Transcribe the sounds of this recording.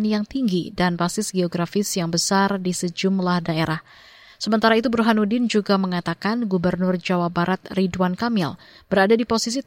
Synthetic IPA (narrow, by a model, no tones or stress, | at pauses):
njaŋt̪iŋɡidanpasɪsɡeoɡɾafɪsjaŋbəsardisəd͡ʒumlahdaeɾah | səmənt̪aɾait̪̬ubɾuɦanudɪnd͡ʒuɡaməŋat̪akanɡubərnʊrd͡ʒawabaɾat̪̚ridwankamɪl | b̥əɾadadiposis̬i